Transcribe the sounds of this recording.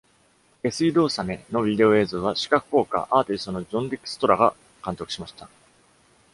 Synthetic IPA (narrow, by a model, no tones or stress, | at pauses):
e̞sɨid̪o̞ːsame̞no̞bʲid̪e̞o̞e̞ːzoːβaɕi̥kakɯ̟̥ko̞ːka̰ʔaːt̪ʲist̪o̞no̞ʑõ̞nd̪ʲikɯ̟̥sɨ̥t̪o̞ɾaɡa | kãnt̪o̞kɯ̟ɕimaɕi̥t̪a